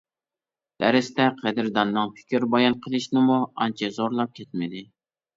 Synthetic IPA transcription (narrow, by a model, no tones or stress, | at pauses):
d̪̥æɾɪst̪ɛqʰɛd̪ɪɾd̪ɑnːɨŋpʰɪ̥kʲɪɾbɑjɑnqʰəlˠɨʃnɪmuɑ̰nt͡ʃʰɛzoɾlˠɑp̚kʲʰɛt̪̚mɪd̪ɪ